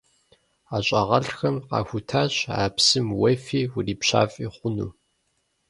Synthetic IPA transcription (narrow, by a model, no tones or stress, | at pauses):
aɕʼɐʁɐɬxɐmqɑ̰ːxʷʊtʰaːɕa̰ːpsɨmwɐfiːwʊriːpɕa̰ːfʼiːχʷʊnṵː